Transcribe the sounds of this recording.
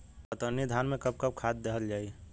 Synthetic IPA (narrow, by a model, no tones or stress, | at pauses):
pət̪ənːid̪ʱanmẽkəb̚kəb̚kʰad̪̚d̪eɦəld͡ʒaːi